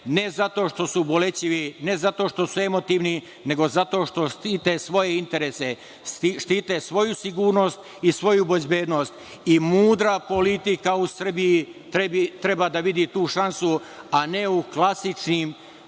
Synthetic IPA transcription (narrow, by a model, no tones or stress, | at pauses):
nezat̪o̞ːʃt̪o̞subo̞le̞t͡ɕiʋine̞zat̪o̞ʃt̪o̞sue̞mo̞t̪iːʋni | ne̞ɡo̞zat̪o̞ːʃt̪o̞ʃt̪it̪esʋo̞jeint̪e̞ɾeːse̞ | ʃt̪it̪esʋo̞jusiɡuːɾno̞st̪ | isʋo̞jubezbe̞ːd̪no̞st̪ | imuːd̪ɾapo̞lit̪ikausr̩bijit̪ɾeit̪ɾebad̪aʋid̪it̪uːʃansu | ane̞uklˠasit͡ʃnim